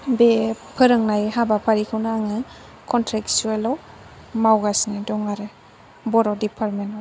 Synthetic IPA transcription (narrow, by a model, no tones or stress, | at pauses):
bepʰɯɾɯŋnajhabapʰaɾikʰɯwnaaŋɯ | kʰɔntʰɾeksuelɔw | mawɡasnidɔŋaɾɯ | bɔɾɔdipʰaɾmenɔj